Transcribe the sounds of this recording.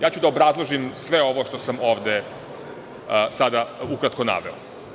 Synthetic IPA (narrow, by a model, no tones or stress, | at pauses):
jaːt͡ɕud̪aobɾazlˠoʒimsʋeo̞ʋo̞ʃt̪osamo̞ʋd̪e | sad̪aukɾat̪ko̞na̰ʋeo